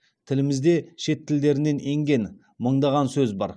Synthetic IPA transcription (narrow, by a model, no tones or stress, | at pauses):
t̪ʰɪlɪmɪzd̪e̞ʃe̞t̪ʰːɪld̪e̞ɾɪne̞ne̞ŋɡʲe̞n | məɴd̪ɑʁɑnsɵzbɑɾ